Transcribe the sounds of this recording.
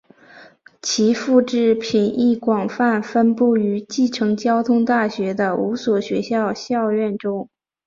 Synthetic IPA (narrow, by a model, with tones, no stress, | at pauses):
t͡ɕʰi˧˥fu˥˧ʈ͡ʂɻ̩˥˩pʰi˨˩nʔi˥˩kwɑ˨˩ŋfa˥˩nfə˥npu˥˩y˧˥t͡ɕi˥˩ʈ͡ʂʰɤ˧˥ŋt͡ɕjɑ˥ʊt̪ʰʊ˥ŋt̪a˥˩ɕɥɛ˧˥d̪ə˧u˧˥swɔ˨˩ɕɥɛ˧˥ɕjɑ˥˧ʊɕjɑ˥˧ʊɥɛ˥˩nʈ͡ʂʊ˥ŋ